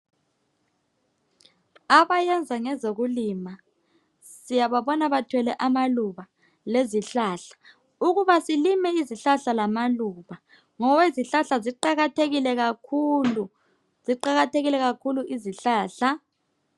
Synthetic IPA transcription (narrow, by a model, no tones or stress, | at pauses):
aβajɛnd͡zʱaŋɛzoɣulima | sijaβaβɔnaβatʰwɛlɛʔamaluβa | leziɬaːɬḁ | uɣuβasilimɛiziɬaɬalamaluːβa | ŋɔweziɬaɬaziǃaɣatʰeɣilɛɣakʰulu | ziǃaɣatʰeɣilɛɣakʰuluʔiziɬaːɬa